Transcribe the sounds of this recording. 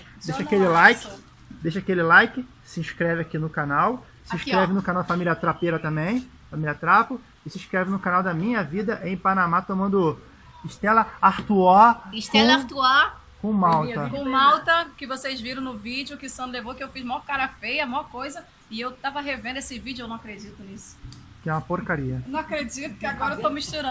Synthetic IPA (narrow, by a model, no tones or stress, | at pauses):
d̪eʃʃɐakelɪlajkɪ | d̪ejʃɐkelɪlajkɪ | sɪĩʃkɾɛvɪakinʊkanaw | sɪ̃ĩʃkɾɛvɪnʊkãnawd̪afamilʲiɐt̪ɾapeɾɐt̪ɐ̃mbẽj̃ | familiɐt̪ɾapʊ | ɪsɪĩʃkɾɛvɪnʊkanawd̪ɐmĩɲɐvid̪ɐʔẽj̃panamat̪omɐ̃nd̪ʊ | ɪʃt̪ɛlɐaht̪uɔʃtk̪õt̪ua | kõmawt̪ɐkõmawt̪ɐkɪvosezviɾɐ̃w̃nʊvid͡ʒjʊkɪsɐ̃nlevowkɪewfizmawɐkaɾɐfejɐmawɐkojzɐ | ɪewt̪avɐɦevẽnd̪esɪvid͡ʒʊewnɐ̃w̃akɾed͡ʒit̪ʊnisʊ̥ | kɪɛũmɐpoɾkaɾiɐewnɐ̃w̃ɐkɾed͡ʒit̪ʊ̥kɪaɡɔɾɐewt̪owmiʃt̪uɾɐ̃